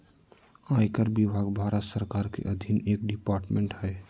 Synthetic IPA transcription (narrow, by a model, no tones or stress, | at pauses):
aːjkəɾbibʱaːɡbʱaːɾət̪səɾkaːɾkḛʔəd̪ʱineːk̚ɖɪpaːɾʈmẽɳʈɦɛ